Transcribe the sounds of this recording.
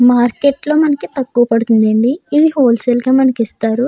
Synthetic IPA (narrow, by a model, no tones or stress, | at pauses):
maːɾkeːʈlo̞ːmɐnɐkit̪ɐkːuʋɐpɐɽut̪und̪eːɳɖiːd̪iɦoːlselɡaːmɐnɐkist̪aːɾu